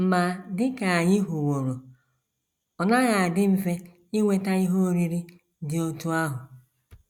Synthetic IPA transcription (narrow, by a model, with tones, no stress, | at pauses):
m̩˨ma˨dɪ˦ka˨a˨ɲɪ˦ɦʊ˨wo˨ɾo˨ | ɔ˨na˦ɣa˨a˨dɪ˦m̩˦ve˦ | ɪ˦ŋʷe˦ta˦i˦ɦo˦o˦ɾi˦ɾi˦ | dɪ˨o˦tu˦a˦ɦʊ˨